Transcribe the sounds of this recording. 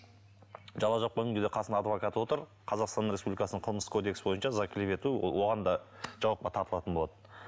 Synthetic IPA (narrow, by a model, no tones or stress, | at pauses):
ʒɑlˠːɑʒoq̚bɵɡʲɪŋɡʲɪd̪eqʰɑsənd̪ɑd̪vokat̪əwo̞t̪əɾ | qʰɑzɑqst̪ɑnɾʲespublʲikɑsənəɴqʰəlˠməskʰo̞d̪e̞ksbo̞jənʃɑzakʲʰɪlepe̞t̪uwo̞ʁɑnd̪ɑʒ̥ɑwɑq̚pɑt̪ʰɑɾt̪əlˠɑt̪ənbolˠɑt̪ən